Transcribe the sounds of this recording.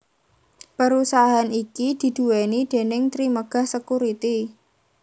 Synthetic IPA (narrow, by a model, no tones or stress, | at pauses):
pəɾusaɦanikid̪̥i̤d̪̥ṳwenid̥e̤nɪŋt̪ɾiməɡ̥a̤hsəkuɾit̪i